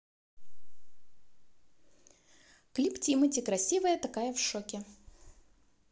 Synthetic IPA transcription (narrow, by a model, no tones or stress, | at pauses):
klʲiptʲimɨtʲɪkɾɐsʲivəjət̪ɐkajəfʂokʲɪ